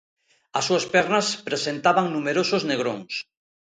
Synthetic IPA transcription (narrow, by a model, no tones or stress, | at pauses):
ɐsːuɐspɛɾnɐspɾesent̪aβaŋnumeɾosʊzneɣɾoŋs